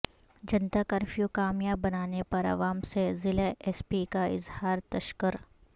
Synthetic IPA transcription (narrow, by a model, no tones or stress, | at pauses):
d͡ʒɐnt̪akɐɾfʰjukaːmjabːɐnaːnepɐɾɐ̰ʋaːmsezɪleʔɛspikaɪ̰zhaːɾt̪ɐʃkəɾ